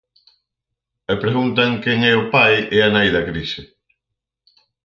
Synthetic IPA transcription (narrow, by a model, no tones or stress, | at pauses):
epɾeɣunt̪aŋkɛŋɛʊpajɛanajðɐkɾiʃɪ